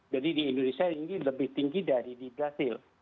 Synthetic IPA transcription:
d͡ʒadidiindonesiatiŋɡiləbɪht̪iŋɡidaɾidibɾasɪl

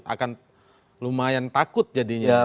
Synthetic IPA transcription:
a̰kan | lumajant̪akʊt̪̚d͡ʒadiɲa

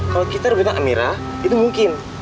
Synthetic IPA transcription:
kalakit̪arəbut̪aŋʔamiɾa | it̪umuŋkɪn

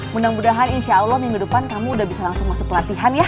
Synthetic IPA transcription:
mundaŋmudaɦaninʃaːlɔhməŋidupankamuːdahbisalaŋsʊŋmasʊk̚ːəlat̪iɦanja

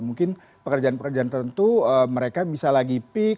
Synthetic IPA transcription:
muŋkɪn | pəkərd͡ʒaanpəkərd͡ʒant̪əənt̪uəməɾekabisalaɡipɪ

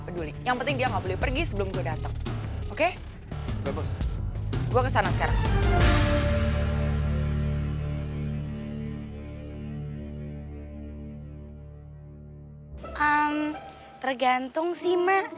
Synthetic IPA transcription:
pədulijaŋpənt̪ɪŋdiaŋɡaʔbolɛhpərɡisəbəlʊmɡuadat̪əŋoke | lebəs | ɡuakəsanasə̥kaɾa̰ŋ | ʔəm | t̪ərɡant̪ʊŋsima

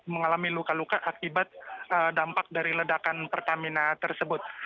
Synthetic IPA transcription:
məŋalamilukalukaʔakibat̪̚ədampak̚daɾilədakanpərt̪aminat̪ərsəbʊt̪̚

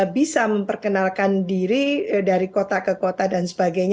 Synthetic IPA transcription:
bisaməmpərkənalkandiɾidaɾikot̪akəkot̪adansə̥baɡajɲ

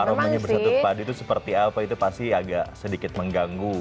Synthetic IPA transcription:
aɾomaɲabərsat̪upadit̪usəpərt̪iapait̪upast̪iaɡaʔsədikɪt̪̚məŋɡaŋɡu

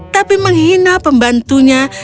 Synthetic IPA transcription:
t̪apiməŋhinapəmbant̪uɲa

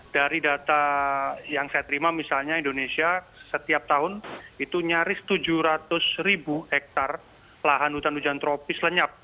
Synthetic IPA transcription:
d̥aɾidat̪ajaŋsajat̪əɾimamisalɲaindonesiasət̪iap̚t̪aɦʊnit̪uɲaɾɪst̪ud͡ʒuhɾat̪ʊsɾibuhɛk̚t̪ar | laɦanhut̪anud͡ʒant̪ɾopɪsləɲap̚

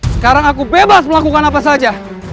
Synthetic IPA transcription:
sə̥kaɾaŋakubebasməlakukanapasad͡ʒa

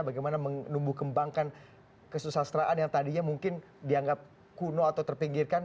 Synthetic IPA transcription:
baɡajmanaməŋnumbuhkəmbaŋkan | kəsusast̪ɾaʔanjaŋt̪adiɲamuŋkɪn | diaŋɡap̚ | kunoat̪awt̪ərpiŋɡɪrkan

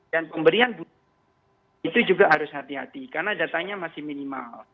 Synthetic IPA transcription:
danpəmbəɾianbu | it̪ud͡ʒuɡaɦaɾʊsɦat̪iɦa̰t̪ikarnadat̪aŋɲamasɪhminima̰l

